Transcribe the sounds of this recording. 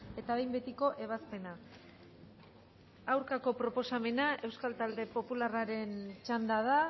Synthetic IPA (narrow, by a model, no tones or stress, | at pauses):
e̞t̪aβejmbe̞t̪iko̞ʔe̞β̞aspe̞na | awɾkako̞pɾo̞po̞same̞naʔe̞wskalt̪ald̪e̞po̞pularaɾe̞nt͡ʃand̪aða